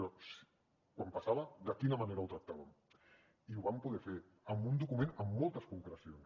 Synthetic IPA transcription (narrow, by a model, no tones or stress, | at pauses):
ɾɔs | kwampasaβɐd̪əkinɐmaneɾauwt̪ɾɐk̚t̪aβɐm | iuβampuðɛfeɾ | əmbund̪ukumẽnəmːolˠt̪əskuŋkɾəsions